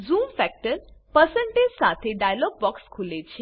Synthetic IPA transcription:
zumfɛk̚ʈəɾpəsə̃ɳʈed͡ʒsat̪ʰeɖajlɔɡ̚bɔkskʰulet͡ɕʰe

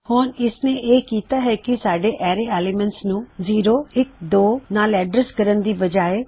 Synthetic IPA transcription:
hoːnɪsnẽːʔeːkiːt̪aːɦɛːkɪsaːɖeːʔɛːɾeeːlɪmə̃ɳʈsnũːziːɾoːɪk̚d̪oːnaːlɛːɖɾəskəɾənd̪iːbəd͡ʒaːeː

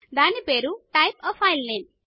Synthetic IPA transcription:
d̪anipeɾuʈajpəfajlnem

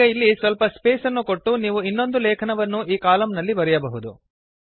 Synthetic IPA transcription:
ɐilːisʋɐlpɐspeːsɐnːuko̞ʈːuniːʋuinːo̞nd̪ulɛːkʰɐnɐʋɐnːuʔiːkaːlɐmnɐlːibɐɾɛjɐbɐɦud̪u

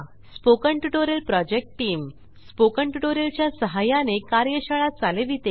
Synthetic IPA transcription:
spokəɳʈuʈoɾəlpɾɔd͡ʑek̚ʈʈiːm | spokəɳʈuʈoɾelt͡ɕjasəɦajanekaɾjəɕaɭat͡saleʋit̪e

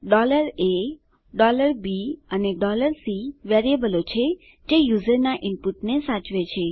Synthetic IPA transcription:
ɖɔləɾe | ɖɔləɾbiəneɖɔləɾsiʋeɾiebəlot͡ʃʰe | d͡ʒejuzəɾnaʔɪmpuʈnesat͡ʃʋet͡ʃʰe

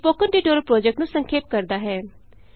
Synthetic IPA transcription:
poːkənɖiːʈoːɾəlpɾoːd͡ʒɛk̚ʈnũːsəŋkʰeːp̚kəɾd̪aːɦɛː

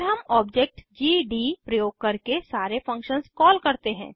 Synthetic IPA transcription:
ɾɦɐmɔːbd͡ʒek̚ʈd͡ʒiːɖipɾɐjoːɡ̚kɐɾkesaːɾefʰɐ̃ŋkʃənskɔːlkɐɾt̪eɦɛ̃ː

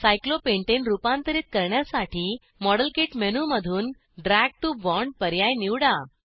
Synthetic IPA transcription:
sajklopeɳʈenɾupãnt̪əɾiːt̪̚kəɾɳjasaʈʰiː | mɔɽəlkeʈmenuməd̪ʱuːn | ɖɾæɡ̚ʈubɔɳɖ̚pəɾjajniwɽa

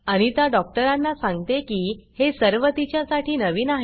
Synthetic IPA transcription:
aɽ̃it̪jaɖɔk̚ʈəɾanːasãŋɡt̪ekiːhesəɾʋət̪it͡ɕjasaʈʰiːnəʋiːnaɦ

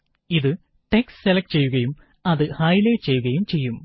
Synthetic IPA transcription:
iðɨ | ʈeksselɐkʈɨt͡ɕe̞jːuɣɐjum | ɐðɨhɐjlet͡ɕe̞jːuɣɐjumt͡ɕe̞jːum

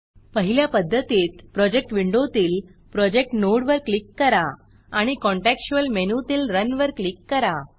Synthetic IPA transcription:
pəɦiljapəd̪ʱːət̪iːt̪pɾɔd͡ʑek̚ʈʋiɳɖot̪iːl | pɾɔd͡ʑek̚ʈnoɽʋəɾklikːəɾa | aɽ̃ikɔɳʈekɕuəlmenut̪iːlɾənʋəɾklikːəɾa

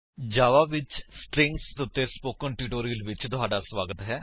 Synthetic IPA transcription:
d͡ʒaːʋaːʋɪt͡ʃsʈɾɪ̃ŋkst̪ʊt̪ːeːspoːkəɳʈiːʈoːɾiːəlʋɪt͡ʃt̪ʊɦaːɖaːsʋaːɡət̪ɦɛː

